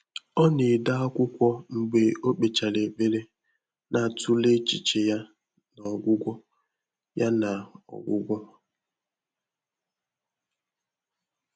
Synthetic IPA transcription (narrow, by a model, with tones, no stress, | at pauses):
ɔ˦ni˨da˦a˦kʷʊ˦kʷɔ˦ŋ͡m̩˨ɡ͡be˨o˦k͡pe˨t͡ʃa˨le˨be˦ɾe˦ | na˨tu˦le˦t͡ʃi˨t͡ʃe˨ja˦ | nɔ˨ɡʷʊ˦ɡʷɔ˦ | ja˦na˨ɔ̰˨ɡʷʊ̰˦ɡʷɔ˦